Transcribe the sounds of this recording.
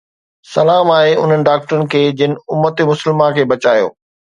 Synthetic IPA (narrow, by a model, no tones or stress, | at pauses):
sɐlaːmaːeʊ̰n̤ənɪ̆ɖaːk̚ʈəɾənɪ̆kʰeːd͡ʑɪnɪ̆ʊmːət̪ɪ̆mʊsəlmãkʰeːbɐt͡ɕaːjo̰ː